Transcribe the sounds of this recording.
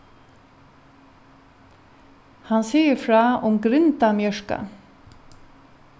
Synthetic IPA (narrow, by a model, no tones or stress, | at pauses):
hansiːjəɾfɾaːʊmɡɾɪnt̪amjœʂka̰